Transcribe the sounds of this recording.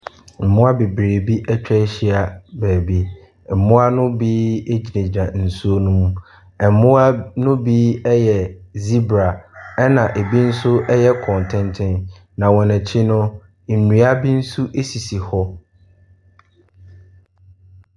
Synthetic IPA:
m̩˨mʊ̃˦a˦be˨bɾe˨bi˦ʔɛ˦t͡ɕᶣɛ˦ɕi˦a˨bæː˨bi˦ | m̩˨mʊ̃˦a˦nʊ̃˦biː˦e˦d͡ʑi˨nẽ˨d͡ʑi˨ɾã˨n̩˨su˦o˦nũ˦mũ˦ | ɛ˨mʊ̃˦a˦nʊ̃˦biː˦ɛ˦jɛ˨zi˦bɾa˨ɛ˦nã˨ʔe˨bi˦n̩˦sʊ˦ʔɛ˦jɛ˦kʰɔ̃˨n˨tʰɪ̃˦ntʰɪ̃˦n | nã˨wɔ̃˨nɛ̃˨t͡ɕʰɪ˦nʊ̃˦ | n̩˨nũ˨˦a˦bi˦n̩˦su˦ʔe˦si˨si˨hɔ˦

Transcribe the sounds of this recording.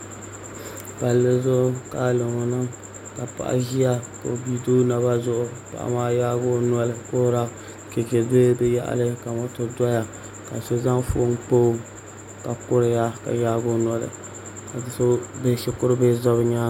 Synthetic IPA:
ba˨lːɨ˦zʊ˦ʊ˦ka˦lɨ˨ŋo˨nɨ˦ŋ | ka˨pa̰˦˨ʔa̰˦ʒi˦ja˦ko̰˨bi˦do˦na˨ba˦zʊ˦ʔʊ˦pa̰˨ʔa̰˨maː˦jaː˦ɡʊ˦nu˦ɔ˦lɨ˨ko˦ɾa˦ | ke˨ke˨˦be˦bɛ˦ja̰˦ʔa̰˨lɨ˦ka˨ma˦tʊ˦dɔ˦ja˨ | ka˨so˦za˦ŋfʊ˦ŋk͡po˦ | ka˨kʊ˦ɾɪ˨ja˦ka̰˨jaː˦ɡʊ˦n˦ɔ˦lɨ̰˨ | ka˨so˦be˦ʃɪ˦kʊ˦ɾɨ˦be˦zɔ˦βɨ˦ɲaː˦

